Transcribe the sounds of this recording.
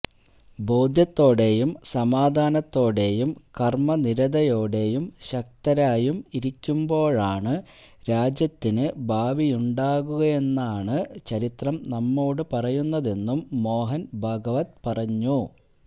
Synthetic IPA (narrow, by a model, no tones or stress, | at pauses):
bo̞ːd̪ʱjɐt̪ːo̞ːɽe̞jumsɐmaːd̪ʱaːnɐt̪ːo̞ːɽe̞jumkɐrmɐniɾɐd̪ɐjo̞ːɽe̞jumɕɐk̚t̪ɐɾaːjumiɾikʲːumbo̞ːɭaːɳɨ | ɾaːd͡ʑjɐt̪ːinɨbʱaːʋijuɳɖaːɣuɣɐe̞nːaːɳɨt͡ɕɐɾit̪rɐmnɐmːo̞ːɽɨpɐrɐjunːɐðe̞nːumːo̞ːɦɐnbʱɐɡɐʋɐt̪pɐrɐɲːu